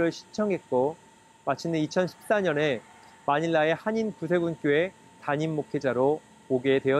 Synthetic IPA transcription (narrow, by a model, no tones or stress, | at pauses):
ɾɯɭɕʰi̥t͡ɕʰʌŋɦe̞t̚k͈o | mat͡ɕʰinɯnit͡ɕʰʌnɕʰi̥p̚s͈aɲʌne̞ | maɲiɭːae̞haɲinkusʰwe̞ɡunk͈joe̞ | taɲimːokʰe̞d͡ʑaɾo | poɡedwe̞jʌ